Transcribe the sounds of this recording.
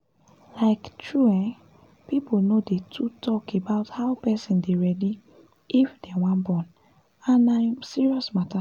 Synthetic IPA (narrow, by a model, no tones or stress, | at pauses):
laɪktʰɹuɛ̃n | pipolnodetʰutʰɔkebaʊthaʊpɛsĩndeɹɛdi | ifdɛawãnbɔ̃n | ãnasiɹiɔsmata